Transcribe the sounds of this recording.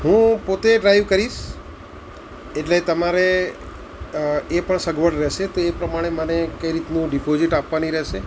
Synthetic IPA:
ɦũpot̪eɖɾaiʋkəɾiʃ | eʈlet̪əmaɾe | epəɳsəɡʋəɖɾɛʃet̪oepɾəmaɽ̃emənekəiɾit̪nũɖipoziʈapʋaniɾɛɦʃe

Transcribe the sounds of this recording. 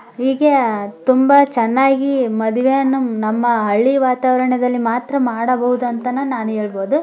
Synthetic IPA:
ɦiːɡet̪umbɐt͡ʃɛnːaːɡimɐd̪iʋejɐnːunɐmːɐɦɐɭːiʋaːt̪aːʋɐɾɐɳɐd̪ɐlːimaːt̪ɾɐmaːɽɐbɐɦud̪uɐnt̪ɐnɐnaːnueːɭbo̞ːd̪u

